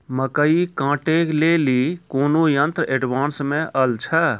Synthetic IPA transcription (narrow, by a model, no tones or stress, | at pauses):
məkəikãːʈeklelikoːnojənt̪ɾəeɖʋãːnsmẽʔəlt͡ʃʰə